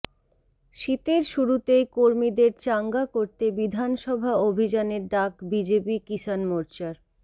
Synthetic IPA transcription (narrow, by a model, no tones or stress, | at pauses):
ʃit̪eɾʃuɾut̪ejkoɾmid̪eɾt͡ɕaŋɡakoɾt̪ebid̪ʱanʃɔbʱaobʱid͡ʑaneɾɖakbid͡ʑepikiʃanmoɾt͡ɕaɾ